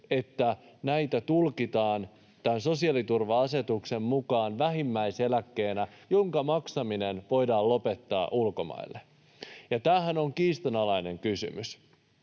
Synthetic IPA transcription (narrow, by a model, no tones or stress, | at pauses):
e̞t̪ːænæijt̪æt̪ulkit̪ɑːn | t̪ænso̞siɑlit̪urʋɑɑse̞t̪ukse̞mmukɑːnʋæɦimːæise̞lækːe̞ːnæjoŋkɑmɑksɑminenʋo̞jdɑːllo̞pe̞t̪ːɑ̰ːʔulkomɑ̰ilːe | jɑt̪æːɦænoŋkiːst̪ɑnɑlɑine̞ŋkysy̰mys